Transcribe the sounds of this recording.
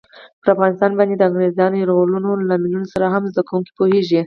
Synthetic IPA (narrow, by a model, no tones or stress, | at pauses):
pəɾafɣɑnɪst̪ɑnbɑnd̪ed̪əaɣnezɑnjɾolunolaminunosaɾaɦamzd̪akawuŋki̥poheʒi